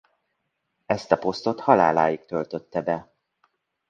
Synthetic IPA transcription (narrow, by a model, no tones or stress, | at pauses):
ɛst̪ɒpo̞st̪o̞t̪hɒla̰ːlaːjik̚t̪ø̞lt̪ø̞t̪ːɛbɛ